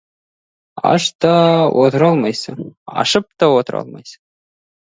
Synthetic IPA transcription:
ɑ̰ʂt̪ɑwot̪ɾɑlˠmɑjsɤɑ̰ʂɤ̆p̚t̪ɑwot̪ɾɑ̰lˠmɑ̰js

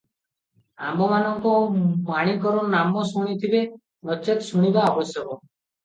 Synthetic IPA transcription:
a̰mbɔmanɔŋkɔmaɽ̃ikɔɾɔnamɔsuɽ̃it̪ʰibe | nɔt͡ʃet̪suɽ̃ibaɔbɔsjɔkɔ

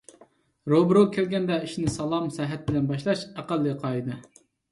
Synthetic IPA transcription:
ɾobɾokʲʰelɡʲɛnd̪ɛiʃnɪsɑlˠɑmsɛɦæt̪̚bɪlɛnbɑʃlˠɑʃæqælːɨqʰɑjd̪ɨ

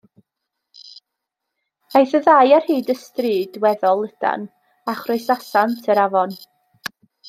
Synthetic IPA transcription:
ajθəðajar̥hiːdəstriːdwɛðɔlˠːəd̥a̰n | aχroɨsasantʰəɾavɔn

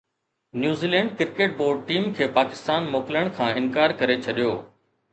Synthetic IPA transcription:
njuːziːlɛ̃ːɳɖkɪɾkeːʈ̚boːɾɖ̚ʈiːmkʰeːpaːkɪst̪aːnmoːkɪljəɽ̃kʰãːɪnkaːɾkɐɾet͡ɕʰɐɗijoː

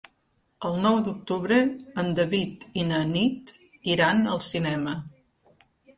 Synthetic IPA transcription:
əlˠnɔwd̪uk̚t̪uβɾəːnd̪əβit̪inənit̪ | iɾanəlˠsinɛmə

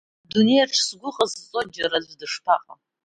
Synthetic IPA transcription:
dune̞jaʈ͡ʂʰsɡʷʊqʼazt͡sʼod͡ʒaɾazʷdɨʂpʰaqʼa̰

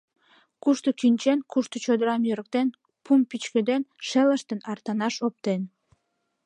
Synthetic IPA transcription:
kuʃt̪okynt͡ɕenkuʃt̪ot͡ɕod̪əɾɑmjøɾə̆k̚t̪en | pʰumpit͡ɕkød̪enʃeləʃt̪ənɑrt̪ɑnɑʃop̚t̪en

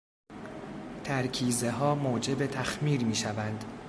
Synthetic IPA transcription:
t̪ʰæɾkʰiːze̞ɦɒːmoːd͡ʒe̞bet̪ʰæxmiːɾmiːʃævænd̪̥

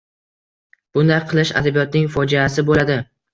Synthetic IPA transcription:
b̥ʊnd̪ajqʰɨlˠɪʃa̰d̪abijɒt̪nɪŋfɒd͡ʒaːsɪbolad̪ɪ

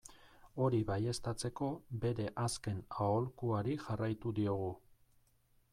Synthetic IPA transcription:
o̞ɾiβaje̞st̪at͡se̞ko̞be̞ɾe̞ʔaske̞nao̞lkuaɾiʝarajt̪ud̪io̞ɣ̞u

